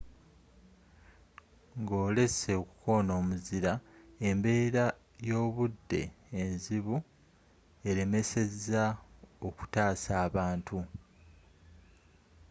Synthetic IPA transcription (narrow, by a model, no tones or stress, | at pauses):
ŋɡoːle̞se̞oku̥ko̞noːmuziɾaembe̞ːɾa | jo̞ːβudːe̞̰ːnziβu | e̞ɾe̞me̞se̞zao̞ku̥taːsaːβaːntʰu